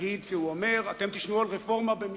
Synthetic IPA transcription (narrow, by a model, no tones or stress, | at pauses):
id̪ʃeuome̞ʁat̪e̞mt̪iʃnualʁefo̞ʁmabem